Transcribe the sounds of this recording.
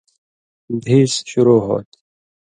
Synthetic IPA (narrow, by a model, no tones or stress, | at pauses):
d̪ʱiːsɕuɾoːɦo̰ːt̪